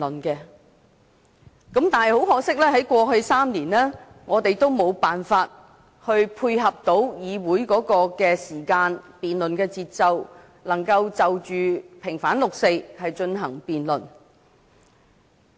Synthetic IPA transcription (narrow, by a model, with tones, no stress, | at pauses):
nkɛː˧ | kɐ˨˥mt̪aː˨nɐ˨jho˨˥wɦɔː˨˥k̚sɪ˥k̚lɛː˥ɦɐ˨˥jkʷɔː˧hɵ˧ɥsaː˥mniː˨˩nlɛː˥ | ŋɔː˨˧t̪e˨jt̪o˥wmo˨˧wpaː˨nfaː˧t̚ | hɵ˧ɥpʰuː˧jɦɐ˨p̚t̪o˨˥wjiː˨˧wuː˨˥jkɔː˨˥kɔː˧kɛː˧siː˨˩kaː˧npiː˨nlɵ˨nkɛː˧t͡siː˧t̚t͡sɐ˧w | lɐ˨˩ŋkɐ˧wt͡sɐ˨wt͡ʃyː˨pʰɪ˨˩ŋfaː˨˥nlʊ˨k̚se˧jhɐ˨jt͡ʃɵ˧nɦɐ˨˩ŋpiː˨nlɵ˨˩n